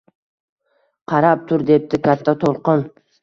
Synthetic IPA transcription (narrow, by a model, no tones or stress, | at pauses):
qʰɑɾap̚t̪ʰʊɾd̪e̞p̚t̪ɪkʰʲat̪ʰːat̪ʰolˠqɨn